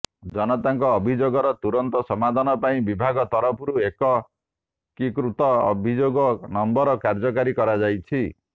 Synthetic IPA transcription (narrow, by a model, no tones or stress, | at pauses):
d͡ʒɔnɔt̪aŋkɔːbʱid͡ʒoɡɔɾɔt̪uɾɔnt̪ɔsɔmad̪ʱanɔpaĩbibʱaɡɔt̪ɔɾɔpʰuɾuekɔ | kikɾut̪ɔ̰ːbʱid͡ʒoɡɔnɔmbɔɾɔkaɾd͡ʒɔkaɾikɔɾad͡ʒajt͡ʃʰi